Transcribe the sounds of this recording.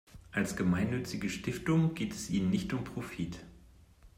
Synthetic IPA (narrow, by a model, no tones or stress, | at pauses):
ʔalsɡ̥əmaɪnːʏt͡sɪɡəʃtɪftʊŋɡ̥eːtʰɛsʔiːnənːɪçtʊmpʁ̥ofit